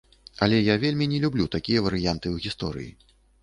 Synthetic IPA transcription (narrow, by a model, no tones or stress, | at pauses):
ɐlʲɛjavʲelʲmʲinʲɛlʲublʲut̪akʲijɐvɐɾɨjant̪ɨwɣʲist̪ɔɾɨ̰jḭ